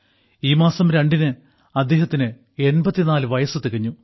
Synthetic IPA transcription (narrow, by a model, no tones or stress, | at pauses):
iːmaːsɐmɾɐɳɖinɨ | ɐd̪ːe̞ːɦɐt̪ːinɨ | e̞nbɐt̪ːinaːlɨʋɐjɐsɨt̪ːeɣɐɲːu